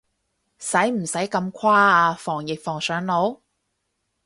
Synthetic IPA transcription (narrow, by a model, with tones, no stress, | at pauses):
sɐ˨˥jm̩˨˩sɐ˨˥jkɐ˧mkʷʰwaː˥aː˧fɔː˨˩ŋjɪ˨k̚fɔː˨˩ŋsœː˨˥ŋlo˨˥w